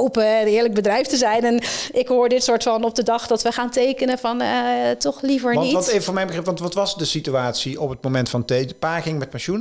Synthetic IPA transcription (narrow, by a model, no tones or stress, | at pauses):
owpənɪːɹləɡ̚bədrɛjftəzɛjnɛnɪkɦʊːɹdɪtsʊːɹtfɑnɔb̚dədɑχdɑtʋəχaːntejkənəvɑntɔχlivəɹnitevəvʊːɹmɛjnbəχrɪpʋɑntʋɑtʋɑsdəsityaːtsiɔpət̚mowmɛntfɑntejpaːkɪŋmɛt̚paʃun